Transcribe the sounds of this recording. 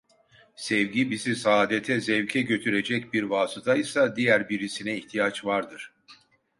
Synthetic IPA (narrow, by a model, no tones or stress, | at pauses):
sɛvɟibizisaːd̪et̪ʰɛzɛvcʰɛɟø̞t̪ʰyɾe̞d͡ʒɛcbiɾvaːsɯt̪ʰajsad̪ijæɾbiɾisinɛiht̪ʰijat͡ʃvaɾd̪ɯɾ̥